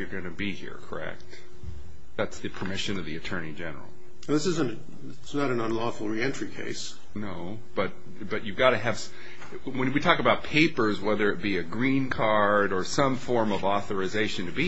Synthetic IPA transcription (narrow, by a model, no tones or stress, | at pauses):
jə˞ɡʌnɨbihḭɹkʰə̰˞ɛ̰k̚t̚ | ðætsðɨpʰə˞mɪʃɨ̃nʌvðiɨtʰɜ̃˞nid͡ʒɛnə̰˞l̩ˠ | ðɪsɨz̃n | ɪsnəɾɨ̃nə̃nlɔfl̩ˠɹiɛ̃nt͡ʃɹ̥ikʰḛɪs | noʊ | b̥ʌt̚ | b̥ʌt͡ʃɨɡɑɾɨɨv̥s | wɨ̃nwitʰɔkəbaʊt̚pʰeɪpə˞zwɛðə˞ɨt̚b̥iɨɡɹĩnkʰɑɹɾə˞sʌ̃ɱfɔɹmʌvɔθə˞ɨzeɪʃɨ̃ntʰɨbi